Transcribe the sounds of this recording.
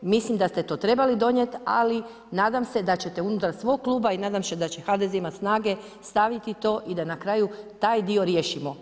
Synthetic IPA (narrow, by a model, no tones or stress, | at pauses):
mislimd̪ast̪e̞t̪o̞ːt̪ɾe̞balid̪o̞ɲje̞t̪a̰li | naːd̪amse̞d̪at͡ɕe̞t̪e̞unut̪aɾsʋo̞ɡ̚klˠuːbainaːd̪amse̞d̪at͡ɕe̞xad̪ezeimasnaːɡe̞ | st̪aʋit̪it̪o̞ːʔid̪anakɾaːjut̪aːjd̪io̞ɾje̞ːʃimo̞